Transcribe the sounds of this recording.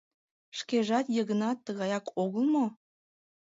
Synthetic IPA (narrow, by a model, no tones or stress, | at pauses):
ʃkeʒɑt̪jəɣənɑt̪ːəɣɑjɑkoɣəlmo